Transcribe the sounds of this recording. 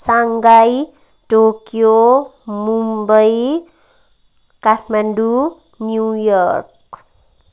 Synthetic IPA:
saŋɡaj | tokiomumbəj | katmandu | njujɔrk̚

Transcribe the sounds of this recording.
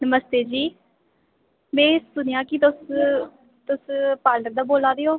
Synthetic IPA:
nəməst̪eːd͡ʒiː | mɛ̃ːssʊnɪjãːkit̪ʊs | t̪ʊspaːləkd̪aːboːlaːd̪eːoː

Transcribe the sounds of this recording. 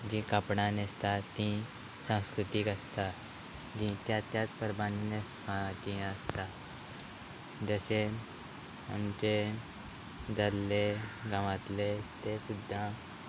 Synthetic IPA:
d͡ʑĩkapɽanest̪at̪ĩ | sãw̃skɾut̪iːkəst̪a | d͡ʑĩt̪jat̪jat͡spəɾbaninespad͡ʑĩəst̪a | d͡zəɕe | a̰mt͡ɕe | d͡z̪alːeɡaʋat̪let̪esud̪ʱːa

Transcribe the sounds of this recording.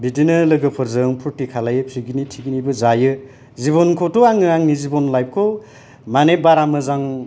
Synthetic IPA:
bidinɯlɯɡɯpʰɯɾzɯŋpʰuɾtikʰalajɯpʰɾiɡinitʰiɡinibɯzajɯ | ziβɔnkʰotoaŋɯaŋnizibɔnlajb̚kʰo | manebaɾamɯzaŋ

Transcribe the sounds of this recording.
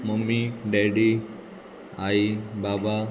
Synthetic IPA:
momiɖeɖi | aibaba

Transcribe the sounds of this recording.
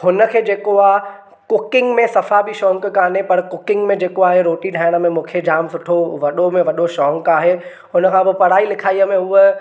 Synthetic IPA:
hʊnə̆kʰeːd͡ʑeːkoaːɦ | kʊkɪ̃ŋɡmẽsɐfabʱiʃɔ̃ːŋkkaːnepɐɾkʊkɪ̃ŋɡmẽd͡ʑeːkoaːɦeɾoːʈiɖʱaːɪɽ̃ə̆mẽmũːkʰed͡ʑaːmsʊʈʰoʋɐɗomẽʋɐɗoʃɔ̃ːŋkaːɦe | ɦʊnəkʰãbɪpɐɽ̤aːilɪkʰaːiəmẽɦʊə

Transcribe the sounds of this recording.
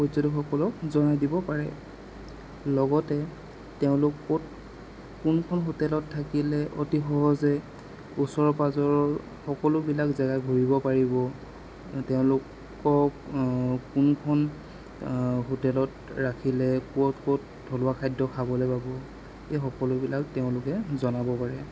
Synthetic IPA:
pɔzɔdixɔkɔlɔk̚zɔnajdibɔpaɹɛ̰ | lɔɡɔtɛ | teʊ̃lʊkːot̚ | kunkʰɔnɦotɛlɔtʰːakilɛʔotixɔɦɔzɛ | usɔɹɔpazɔɹɔɹ | xɔkɔlʊbilakzaɡaɡʱuɹibɔpaɹibɔ | teʊ̃lʊkː | ɔ | kunkʰɔn | ɦotɛlɔt̚ | ɹakʰilɛkuɔtkot̚ | dʱɔlʊakʰajdɔkʰabɔlɛpabɔ | ejxɔkɔlʊbilak̚teʊ̃lʊkɛzɔnabɔpaɹɛ

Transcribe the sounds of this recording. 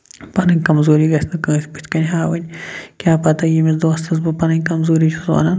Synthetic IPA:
pɐnɐŋʲkɐmzoːɾiɡɐsnɐkɐʃpit̪kɐnʲɦaːwɐnʲkʲaːpɐt̪ɐjimizd̪oːst̪ʰɐzbɐpɐnɐŋʲkɐmzoːɾit͡ʃʰuzwa̰ːnɐn

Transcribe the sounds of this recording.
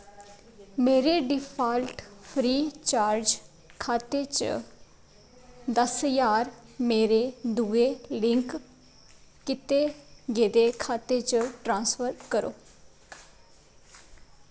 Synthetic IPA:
meːɾeːɖɪpʰaːlʈpʰɾiːt͡ʃaːɾd͡ʒ | kʰaːt̪eːt͡ʃə̰ | d̪əsəjaːɾmeːɾeːd̪uːeːlɪŋk | kɪt̪eːɡeːd̪eːkʰaːt̪eːt͡ʃəʈɾãːnspəɾkəɾo̰ː

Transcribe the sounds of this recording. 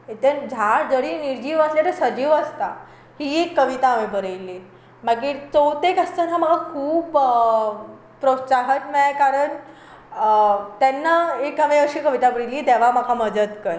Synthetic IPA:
et̪əɾd͡ʑʱad͡zəɽiniɾd͡ʑiːʋəsljat̪əɾsəd͡ʑiːʋəst̪a | hiːekːəʋit̪aʋebəɾəjle | maɡiːt͡sowt̪ekəst̪anaməɡakʰuːp | pːɾosaɦət̪majkaɾəɳ | t̪ɛnːaekəʋẽəɾɕiːkəʋit̪abəɽəliːt̪ɛʋ̤am̤akʰamədət̪kəj

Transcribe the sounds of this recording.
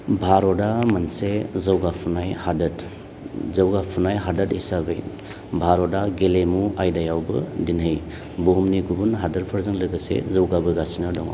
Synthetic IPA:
bʱaɾɔdamansezawɡapʰunajhadɐt | zawɡapʰunajɦadɐtisabej | bʱaɾɔdaɡelemuajdajawbɯ̰dinɦɯj | bumniɡubunɦadɐɾpʰɐɾzaŋlɯɡɐsḛzawɡabɯɡasinadɔŋa̰w

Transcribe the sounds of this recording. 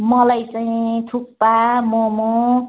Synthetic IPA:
mʌlajt͡saĩt̪ʰuk̚pamomo

